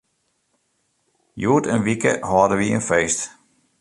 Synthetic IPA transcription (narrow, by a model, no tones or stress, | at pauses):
juətənʋikə̰hɔːdəʋiənfeːst